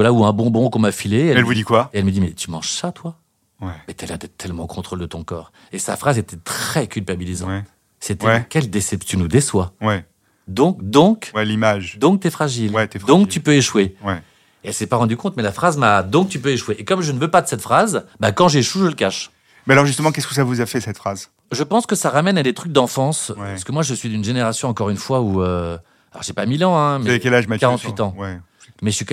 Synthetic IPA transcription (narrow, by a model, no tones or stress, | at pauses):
valauɛ̃bɔ̃bɔ̃kɔ̃mafileɛɛlvud̪ikwaeɛlməd̪imɛt̪ymɑ̃ʒsat̪wa | wɛmɛt̪ɛlad̪ɛt̪ʰːɛlmɑ̃kʰɔ̃t̪χold̪ət̪ɔ̃kɔ̰ːʁ | esa̰fχazet̪ɛt̪χχɛkʲylpabilizɑ̰̃t̪ | set̪ɛkʲɛld̪esɛpt̪ynud̪eswawɛ | d̪ɔ̃kd̪ɔ̃kwɛlimaʒd̪ɔ̃k̚t̪ɛfχaʒilwɛt̪ɛd̪ɔ̃kt̪ypøeʃwewɛ | eɛlsɛpaʁɑ̃d̪ykɔ̃t̪mɛlafχazmad̪ɔ̃k̚t̪ypøeʃweʔekɔmʒənəvøpad̪əsɛt̪fχazbakɑ̃ʒeʃuʒələkaʃ | mɛalɔʁʒyst̪əmɑ̃kɛskəs̬avuzafɛsɛt̪fχaz | ʒəpɑ̃skəsaʁamɛnad̪et̪χyk̚d̪ɑ̃fɑ̃spaʁsə̥kəmwaʒəsɥid̪ynʒeneʁasjɔ̃ɑ̃kɔʁynfwauø | alɔ̰ʁʒepamilɑ̃ɛ̃mɛkɛlaʒmakaʁɑ̃t̪ɥit̪ɑ̃wɛ | mɛəsɥik